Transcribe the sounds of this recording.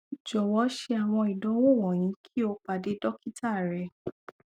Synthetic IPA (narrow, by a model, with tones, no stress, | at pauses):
d͡ʒɔ˨wɔ˨˦ʃe˧a˨w̃ɔ̃˧i˨dɔ̃˨˦wo˦˨wɔ̃˨j̃ĩ˨˦kʰi˦o˧k͡pa˨de˨˦dɔ˦ki˦ta˦˨ɾɛ˨˦